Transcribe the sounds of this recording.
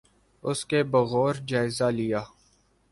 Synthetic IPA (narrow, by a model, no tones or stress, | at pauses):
ʊskebɐɣoːɾd͡ʒaːɪzalɪjaː